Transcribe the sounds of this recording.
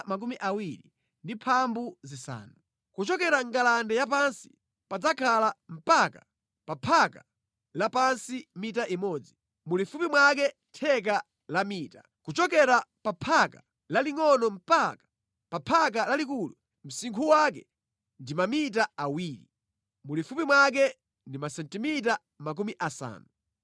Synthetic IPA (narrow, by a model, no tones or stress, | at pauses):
mak̬umiʔawiɾi | ndipʰambuzisa̰ːnu | kut͡ʃɔkɛɾaŋɡalandɛjap̬ansi̥ | pad͡zakʰalam̩paka | papʰaka | lapansimitaʔimɔːd͡zi | mulifupimwak̬ɛ | tʰɛk̬a | lamiːtḁ | kut͡ʃɔkɛɾapapʰaka | laliŋɔnɔm̩pakḁ | papʰak̬alalikulu | m̩siŋkʰuwak̬ɛ̰ | ndimamit̬aawiːlḭ | mulifupimwak̬ɛ | ndimasɛntimit̬a | mak̬umiʔasa̰ːnu